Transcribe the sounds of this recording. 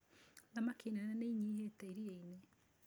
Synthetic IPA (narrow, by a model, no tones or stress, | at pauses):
namakinananeiɲihetaiɾieine